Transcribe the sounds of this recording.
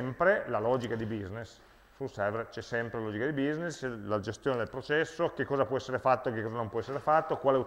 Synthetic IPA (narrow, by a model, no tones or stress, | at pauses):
mpɾelalɔːd͡ʒikad̪ibiznes | sulsɛveɾt͡ʃɛsːɛmpɾelalɔːd͡ʒikad̪ibizneslad͡ʒest̪joːned̪elpɾot͡ʃɛsːok̟ːekːɔːzapwɔɛsːeɾefat̪ːokːekːɔzanõmpwɔɛsːeɾefat̪ːokwaːleu